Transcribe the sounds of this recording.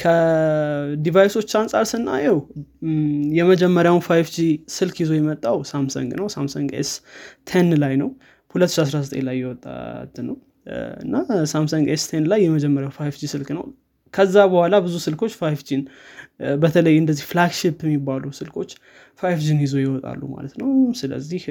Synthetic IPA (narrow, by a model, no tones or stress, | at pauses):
kʰə | d̪ivajso̞t͡ʃːansʼaɾsɨnːa̰jɛw | jɛməd͡ʒɛmːəɾjawnfajfd͡ʒisɨlkʰjizo̞jɛmət̪ʼːawsamsə̰ŋɡnəwsamsəŋɡḛst̪ʰenlajnəw | hulət̪ːɨʃias̬ɾasət̪ʼenlajːɛwɔt̪ʼːa̰t̪ʰːɨnːəw | ɨ̰nːasamsəŋɡest̪ʰenlajːɛməd͡ʒɛmːəɾjawnfajfd͡ʒisɨlknə̰w | kʰəzːabəhʷalabɨzusɨlkʰo̞t͡ʃːfajfd͡ʒin | bət̪ʰələjːɨnd̪əzːihflaɡʃipːjɛmːibːalusɨlkʰo̞t͡ʃː | fajfd͡ʒinjizo̞jɛwɔt̪ʼa̰lːuma̰lət̪nəwsɨlə̰zːih